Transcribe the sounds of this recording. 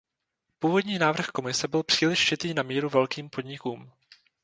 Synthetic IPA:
puːvo̞dɲiːnaːvr̩xko̞mɪsɛbɪlpr̥iːlɪʃt͡ʃɪt̪iːnamiːɾuvɛlkiːmpo̞d̪ɲɪkuːm

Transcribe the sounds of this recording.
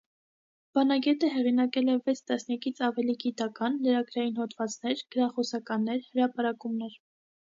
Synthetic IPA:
b̥ɑnɑɡɛt̪əɦɛʁinɑkɛlɛvɛt͡sʰt̪ɑsnjɑkit͡sʰɑvɛliɡit̪ɑkɑnləɾɑɡɾɑjinhɔt̪vɑt͡snɛɾɡ̥əɾɑχɔsɑkɑnːɛɾhəɾɑpɑɾɑkumnɛɾ

